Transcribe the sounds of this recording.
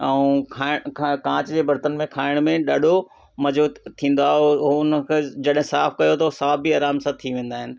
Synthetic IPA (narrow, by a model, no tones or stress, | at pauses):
ɛũkʰaːɪkãːt͡ɕd͡ʑeːbɐɾt̪ənmẽkʰaːɪɽ̃mẽɗɐɗo | mɐd͡ʑoːtt̪ʰːĩːn̆d̪oaːɦoʊnəkʰed͡ʑɐɗɦẽsaːfkɐjot̪ʰosaːfbʱiaːɾaːmsãt̪ʰiʋẽːn̆d̪aːɦɪnɪ̆